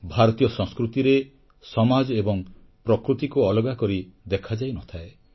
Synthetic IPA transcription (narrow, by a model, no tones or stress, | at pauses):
bʱaɾɔt̪ijɔsɔ̃ŋskɾut̪iɾe | sɔmad͡ʒɔebɔŋ | pɾɔkɾut̪ikuɔlɔɡakɔɾid̪ekʰad͡ʒajnɔt̪ʰae